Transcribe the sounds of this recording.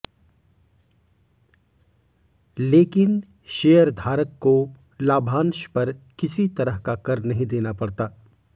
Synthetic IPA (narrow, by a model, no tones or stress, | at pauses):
leːkɪn | ʃeːəɾd̪ʱaːɾəkːo | laːbʱãːnʃpɐɾkɪsit̪ɐɾəɦkakɐɾnɐɦĩd̪eːnapɐɽt̪aː